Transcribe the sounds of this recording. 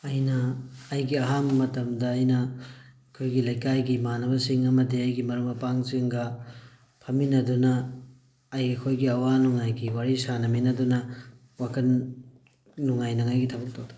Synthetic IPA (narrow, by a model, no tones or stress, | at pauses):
ɐjnɐːjɡiɐɦammɐtɐmdɐːjnɐː | kʰojɡilɐjkajɡimanɐbɐsiŋɐmɐdiɐjɡimɐɾuŋmɐpaŋziŋɡɐ | pʰɐminɐdunɐː | jɐkʰojɡiɐwanuŋajɡiwaɾisanɐminɐdunɐ | wakʰɐnː | uŋajnɐŋajɡitʰɐbɐk̚tʰowtʰa